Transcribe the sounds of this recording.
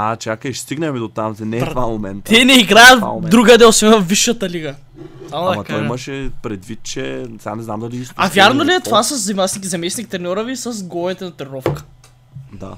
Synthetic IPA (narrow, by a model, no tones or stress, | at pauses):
at͡ʃakəiʃst̪iɡnɛmid̪ot̪amzɛnɛvamomɛnt̪ɛnɛiɡɾajət̪d̪ɾuɡəd̪ɛlˠsvɛnəviʃːɐt̪ɐliɡə | samod̪ɐmɐtkaɔjimɐʃɛpɾɛd̪vit̪̚t͡ʃɛsa̰nɛznamd̪ɐliisavʲjaɾnoliɛt̪ovasɐzːɐimasnik̬izɐmɛsnik̚t̪ɾɛnʲɔɾəvisəz̬ɡɔvɛt̪ɛnɐt̪ɛɾɾɔfkə̥ | d̪a̰